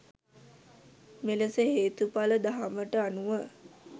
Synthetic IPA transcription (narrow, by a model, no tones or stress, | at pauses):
meləsəɦeːt̪upaləd̪aɦaməʈəanuʋə